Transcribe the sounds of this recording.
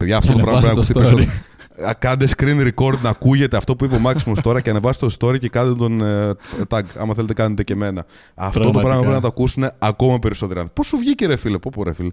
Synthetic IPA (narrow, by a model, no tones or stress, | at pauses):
peðjɐft̪ot̪opɾɐmɐɾinɐkust̪ipeɾsso | kɐnd̪eskɾinɾiko̞ɾd̪nɐkuʝe̞t̪eɐft̪o̞puipemɐksimo̞st̪o̞ɾɐceɐnevɐsi̥t̪ost̪o̞ɾice̞kɐnd̪et̪ont̪ɐɡɐ̰mɐθele̞t̪ekɐnet̪eceme̞nɐ | ɐft̪o̞t̪opɾɐɣmɐppɾinɐt̪oɐkusuneɐko̞mɐpe̞ɾiso̞t̪eɾɐθi̥po̞suvʝiceɾefilpopoɾefil